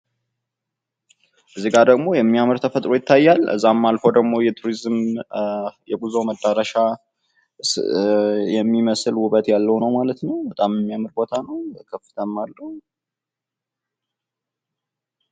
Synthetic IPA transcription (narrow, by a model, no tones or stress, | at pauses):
ʔɨzːiɡaɾd̪əɡmo̞jɛmːijamɨɾt̪ʰəfət̪ʼɾo̞jɪt̪ʰːajːalʔɨ̰zːamːalfo̞d̪əɡmo̞jɛt̪ʰuɾizm | jɛɡʼuzoməd̪ːaɾəʃa | jɛmːiməsɨlhuβət̪jalːəwnəwmalət̪nəwbət̪ʼamjɛmːijamɨɾbo̞t̪ʰanəwkʰəfɨ̥t̪ʰəmːalːəh